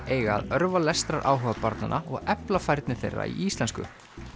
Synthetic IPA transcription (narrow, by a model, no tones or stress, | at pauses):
eːjɣaa̰ðœɾvalɛst̪ɾaɾʔaːwɦœvapaɾt̪nanʔaɔɣɛplafajɾt̪nɪθejrːa̰iiːst̪ɛnskʏ̰